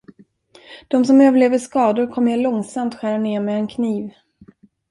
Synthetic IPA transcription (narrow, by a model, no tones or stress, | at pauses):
d̪̥ɔmsɔmøːvəɭeːvəʂkɑːd̪ʊɾkʰɔmːeɭɔŋsamt̪ɧæːɾaneːɾmɛɛnkʰniːv